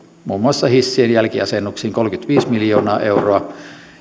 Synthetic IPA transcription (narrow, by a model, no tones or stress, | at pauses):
muːmːuɑsːɑhisːienjælkiɑsenːuksiːŋkolkyt̪ʋiːsmiljo̞ːnɑːʔeuroɑ